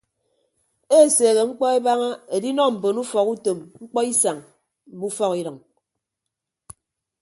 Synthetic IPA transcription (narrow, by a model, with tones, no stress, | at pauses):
e˦˨seː˨ɣe˨ŋ͡m̩˦k͡pɔ˦e˦ba˦ŋa˦e˨di˦nɔ˦m̩˨bo˨nu˦fɔ˨ku˦to˨mŋ͡m̩˦k͡pɔ˦i˦sa˨ŋ | m̩˨bu˦fɔ˦ki˦ɾʌ˨ŋ